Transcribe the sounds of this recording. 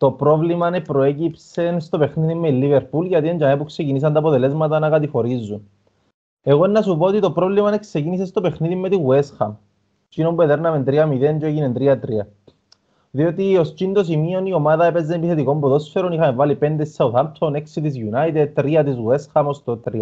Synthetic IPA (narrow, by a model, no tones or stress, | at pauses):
t̪o̞pɾo̞vlimɐnepɾo̞e̞cipse̞nst̪o̞pe̞xniðimːelːiveɾpulʝɐt̪ieɲɟɐnep̬ukse̞cinis̬ɐnt̪ɐːpot̪e̞le̞zmɐt̪ɐnɐkɐt̪ixo̞ɾizːun | e̞ɣoenːɐsupoot̪it̪o̞pɾo̞vlimɐnekse̞cinis̬e̞st̪o̞pe̞xniðimːet̪iɣuesxɐm | t͡ʃinombuet̪eɾnɐment̪ɾiɐmiðent͡ʃoeʝinent̪ɾiɐt̪ɾiɐ | ðiot̪io̞st͡ʃind̪osimio̞nio̞maðɐe̞pezenepiθe̞t̪iko̞mbuðo̞sfeɾonixɐmvalipend̪esauθamsoneksit̪izjunait̪et̪ːɾiɐt̪izɣue̞sxɐmost̪ot̪ɾiɐ